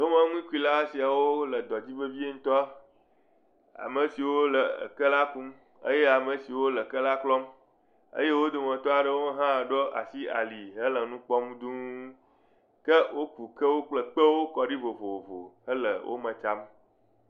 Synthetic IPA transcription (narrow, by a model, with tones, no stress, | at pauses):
d̪o˦mə̃˦ŋũ˦ĩ˦ku˦i˦la˦si˨a˨wo˦lə˨d̪ɔ˨d͡ʑi˦və˦vi˦e˦ŋ̩̃˦t̪ɔ˦a˦ | a̰˨mə˨si˨wo˦lə̰˨kə˦la˦ku˦m | ə̰˦je˦a˨mə˨si˨wo˦lə˨kə˦la˦klɔ˦m | ə̰˦je˦wo˦d̪o˨mɔ̃˨t̪ɔ˦a˨ɖə˦wo˦ɦã˦˨ɖo˦ʔa̰˨si˦a̰˨li˨ɦə˦lə˨nũ˦k͡pɔ˦m˦d̪u˦ | kə˦wo˦ku˨kə˦wo˦k͡plə˦k͡pə˦wo˦kɔ˨ɖi˦vo˨vo˨o˨vo̰˨ɦə˦lə̰˨wʔo̰˦mə̃˨t͡ʃa˦m